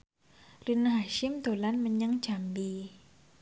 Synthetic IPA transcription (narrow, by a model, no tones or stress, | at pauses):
rinaɦaʃimt̪olanməɲəŋd͡ʒambi